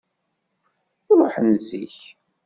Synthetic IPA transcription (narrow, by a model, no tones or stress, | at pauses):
ʊɾˤoħənzḭç